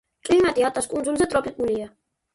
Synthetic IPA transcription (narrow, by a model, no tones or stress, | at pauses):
kʼlimat̪ʼiat̪ʼaskʼund͡ʒunzɛt̪ʼɾɔpʼikʼulia